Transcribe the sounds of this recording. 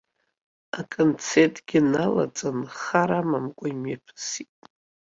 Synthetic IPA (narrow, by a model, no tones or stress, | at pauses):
akʼont͡sʰetʼɡʲɪnala̰t͡sʼanχaɾamamkʷʼaimjapʰsitʼ